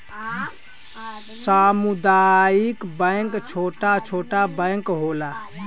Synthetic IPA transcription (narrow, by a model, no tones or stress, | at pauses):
samud̪aikbəɪŋkt͡ʃʰoːʈat͡ʃʰoːʈabəjŋkɦola